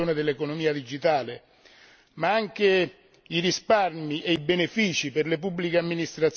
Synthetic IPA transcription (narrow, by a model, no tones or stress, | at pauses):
oːned̪elːekonomiːad̪id͡ʒit̪aːle | maaŋk̟e | iɾisparmiʔeibenefiːt͡ʃiperlepubːlikeamːinist̪ɾat̪s